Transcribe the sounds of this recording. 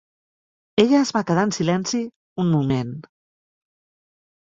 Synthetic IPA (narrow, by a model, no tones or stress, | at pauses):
eʎəːzβakəðaənsilɛnsi | unmumen